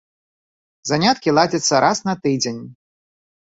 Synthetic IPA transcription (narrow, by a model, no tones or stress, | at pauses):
zanʲat̪kʲilˠad͡zʲɐt̪sːɐɾʔasnɐt̪ɨd͡zʲenʲ